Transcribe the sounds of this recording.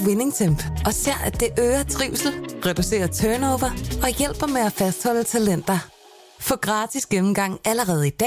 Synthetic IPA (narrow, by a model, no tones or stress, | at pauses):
wene̝ŋt͡sʰemb̥ɒ̽seɐ̰æd̥d̥e̝ʔøːɐt͡sʰʁiʊ̰sl̩ʁɛd̥use̝̰ːɐt͡sʰœːnoʊʋɐɒ̽jel̰b̥ɐmeæfæsd̥hɒ̽l̰ət͡sʰælen̰d̥ɐ | fɒ̽ɡ̥ʁɑ̈ːd̥isɡ̥emm̩ɡ̥ɑ̈ŋ̰æləʁɛːð̞̩ˠid̥ɛ̰ː